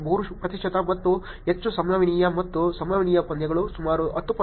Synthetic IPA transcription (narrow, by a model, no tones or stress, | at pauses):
bʱuɾuupɾɐt̪iʃʂʈʰɐt̪ɐmɐt̪ːu | ɦet͡ʃːusɐmnɐʋiɳiːjɐmɐt̪ːusɐmnɐʋiɳiːjɐpɐnd̪jɐɡɐɭusumaːɾuɐt̪ːupɐ